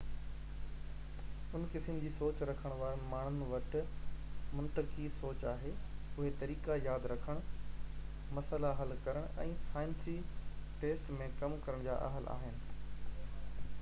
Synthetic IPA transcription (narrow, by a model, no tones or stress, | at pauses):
ʊnkɪsɪnɪ̆d͡ʑiːsoːt͡ɕɾɐkʰəɽ̃ʋaːɾnmaːɳ̤ʊnʋɐʈʊ̆ | mʊ̃nt̪əkisoːt͡ɕaːɦeʊɦet̪ɐɾiːkajaːd̪ɾɐkʰəɽ̃ | mɐsəlaɦɐlkɐɾəɽ̃ɛ̃ːsaːɪnsiʈeːsʈmẽkɐmkɐɾəɽ̃d͡ʑa̰ːʔɐ̰ɦəlʔa̰ːɦɪnɪ̆